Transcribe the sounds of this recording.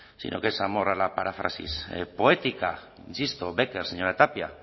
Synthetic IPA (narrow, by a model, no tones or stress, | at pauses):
sḭnʔo̰kesamo̞ralapaɾafɾa̰sḭspo̞e̞t̪ika | insist̪obe̞ke̞ɾseɲo̞ɾat̪apia